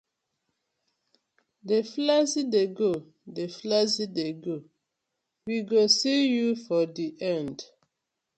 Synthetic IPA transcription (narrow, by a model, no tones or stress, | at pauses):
deflazideɡo | deflazideɡo | wiɡosijufɔdiʔɛ̃nd